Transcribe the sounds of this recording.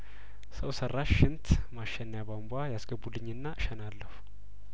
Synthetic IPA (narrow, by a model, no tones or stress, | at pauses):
səwsərːaʃːɪnt̪ʰmaʃːɛnːjaβambuajasɡəbːulɨɲːɨnːaʔɨʃənalːəhu